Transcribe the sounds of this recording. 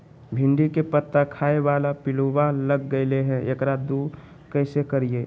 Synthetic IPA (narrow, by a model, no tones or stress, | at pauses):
bʱɪ̃ɳɖikepət̪ːakʰaːeʋaːlapɪluʋaləɡːəɪleɦɛ̃ekɾad̪u | kəɪsekəɾieː